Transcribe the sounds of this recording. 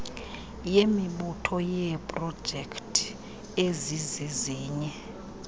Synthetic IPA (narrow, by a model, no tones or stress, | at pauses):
jemiɓutʰɔjɛpʼrɔ̥d͡ʒʱɛkʰtʰʼ | eziziziːɲɛ